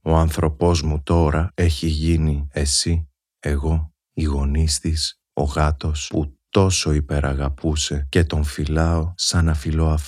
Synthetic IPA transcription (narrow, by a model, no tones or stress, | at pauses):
o̞ɐnθɾo̞po̞zmut̪o̞ɾɐe̞çiʝiniesi | e̞ɣo̞ | iɣo̞nist̪is | o̞̰ɣɐt̪o̞sput̪o̞so̞ipe̞ɾʔɐɣɐpuse̞ce̞t̪o̞ɱfilɐo̞sɐnɐfilo̞ɐf